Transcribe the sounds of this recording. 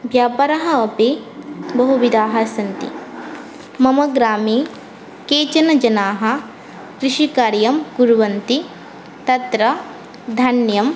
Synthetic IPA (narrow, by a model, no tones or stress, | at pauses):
ʋjaːpɐɾɐɦɐːpebɐɦuʋid̪aːɦɐsɐnt̪ḭ | mɐmɐɡɾaːmeː | keːt͡ʃɐnɐd͡ʒɐnaːɦɐ̆ | kɾɪʂikaːɾjɐmɡuɾuʋɐnt̪i | t̪ɐt̪ɾɐ | d̪ʱɐnjɐm